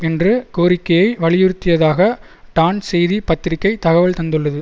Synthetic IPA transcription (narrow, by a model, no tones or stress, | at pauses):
ɛndrɯkoːɾɪkːɐjɐɪʋɐɭɪjɪɾɯt̪ːɪjɐðaːɣɐ | ʈaːnsɛjðipɐt̪ːɪɾɪkːɐɪt̪ɐɣɐʋɐɭt̪ɐnd̪ɯɭːɐðɯ